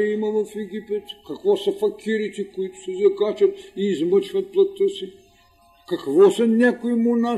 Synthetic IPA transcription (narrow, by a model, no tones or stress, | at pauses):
ɛimɐvɐfɛɡʲipɛt̪kɐkvɔsɐfɐkʲiɾit̪ɛkoit̪ʊ̥sɛzɐkat͡ʃɐt̪iːzmət͡ʃvɐt̪̚plˠɐt̪əsi | kɐkvɔsɐnʲakoimona